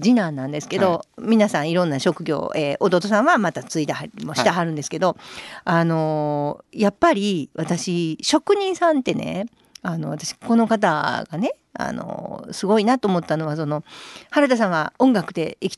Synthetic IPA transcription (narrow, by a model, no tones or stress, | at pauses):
d͡ʑinãnːãnd̪e̞sɨ̥ke̞d̪o̞mʲinasãɰ̃iɾõnːaɕo̞kɯ̟ɡʲo̞̰ːeːʔod̪o̞ːt̪o̞sãɰ̃βamat̪at͡sɨit̪ahaimo̞ɕi̥t̪aɦaɾɯ̃nd̪esɨ̥ked̪o̞ano̞ | japːaɾʲiβat̪aɕiɕo̞kɯ̟ɲ̟ĩɰ̃sãnt̪e̞ne̞̰ | ano̞βat̪aɕi̥ko̞no̞kat̪̬a̰ɡane̞ | a̰no̰sɨɡo̞inat̪oːmo̞t̪ːano̞βas̬o̞no̞haɾat̪as̬ãɰ̃βaõ̞ŋɡakɯ̟̥d̪e̞ikʲi̥